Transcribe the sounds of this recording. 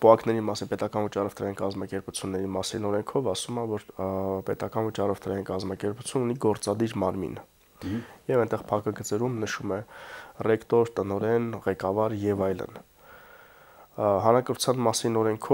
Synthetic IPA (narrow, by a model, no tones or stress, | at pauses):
pɔɑknɛɾimɑsinpɛt̪ɑkɑnvət͡ʃɑrɔft̪ʰɾɑjinkɑzmɑkɛɾput͡sʰjunːɛɾimɑsinɔɾɛŋkʰɔvɑsumɑvɔɾpɛt̪ɑkɑnvət͡ʃɑrɔft̪ʰəɾɑjinkɑzmɑkɛɾput͡sʰjununiɡɔɾt͡sɑd̪iɾmɑɾmḭn | jɛvɛnt̪ɛʁpʰɑkəɡət͡sɛɾumnəʃumɛrɛkt̪ɔɾt̪ənɔɾɛnʁɛkɑvɑɾjɛvɑjlə̰n | hɑnɑkəɾu̥t͡sʰjɑnmɑsinɔɾɛŋkʰɔ